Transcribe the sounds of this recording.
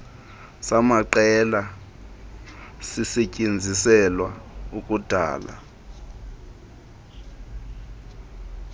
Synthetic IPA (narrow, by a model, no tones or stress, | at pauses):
samaǃɛla | sisecʼend͡zʱisɛlwaukʼud̥ʱa̰ːla̰